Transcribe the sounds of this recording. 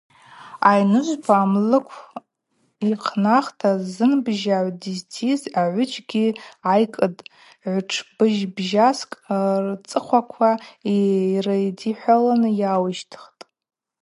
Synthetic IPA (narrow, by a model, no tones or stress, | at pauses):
ajnɨʒʷpʰaːmlɨkʷʰ | iqʰnaχtʰazɨnbʒaʕʷdiztʰizaʕʷʊt͡ʃʼɡʲiajkʼɨdʼ | ʕʷʊʈ͡ʂʰb̥ɨʒbʒaskʼrt͡sʼɨχʷakʷʰairajdiħʷalanɨjawɨʃtʰχtʼ